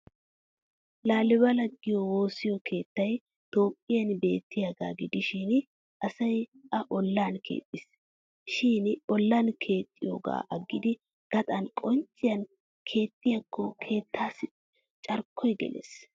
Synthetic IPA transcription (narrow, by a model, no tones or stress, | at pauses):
laːlɪbɐlɐɡːɪjɔwo̞ːsɪjɔkʰe̞ːt̪ːɐj | t̪o̞ːpʼːɪjɐnbe̞̰ːt̪ːɪjaɡa̰ːɡɪd̪ɪʃɪn | ʔɐsɐjʔɐʔɔlːaːnkʰe̞̰ːt̪ʼːɪs | ʃɪːnɔlːankʰe̞ːt̪ʼːɪjo̰ːɡa̰ːʔɐɡːɪd̪ɪ | ɡ̥ɐt̪ʼɐnkʼɔnt͡ʃʼːɪjɐn | kʰe̞ːt̪ʼːɪjɐkʰːɔkʰe̞ːt̪ʰːaːs | t͡ʃʼɐɾkʰːɔjɡɛ̰lḛs